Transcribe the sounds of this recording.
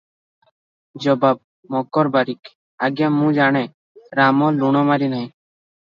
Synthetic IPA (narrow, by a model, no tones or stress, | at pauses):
d͡ʒɔbab̚ | mɔɡɔɾbaɾik | aɡjamũd͡ʒaɽ̃ɛ | ɾamɔluɳ̃ɔmaɾinaj̃